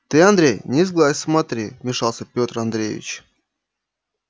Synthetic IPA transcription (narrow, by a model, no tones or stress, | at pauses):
t̪ɨɐnd̪ɾʲejnʲɪzɡlˠasʲsmat̪ɾʲimʲɪʂɑlˠsʲəpʲot̪rɐnd̪ɾʲejvʲɪ̰t͡ɕ